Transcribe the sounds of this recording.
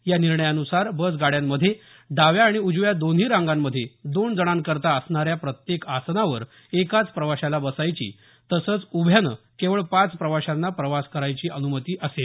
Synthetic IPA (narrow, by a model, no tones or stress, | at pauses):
janiɾɳəjaənusaɾbəs̬ɡaɽjamːəd̪ʱːje | d̪aʋjaːɽ̃iud͡ʑʋjad̪onɦiːɾãŋɡamːəd̪ʱːjed̪ond͡zəɽ̃ãnkəɾt̪aəsɳaɾjapɾət̪jekasnaʋəɾ | ekat͡spɾəʋaɕalabəsajt͡ɕḭː | t̪əsəːt͡subʱjanə | keʋəɭpat͡spɾəʋaɕanːapɾəʋaskəɾajt͡ɕiːʔənumət̪iːʔəse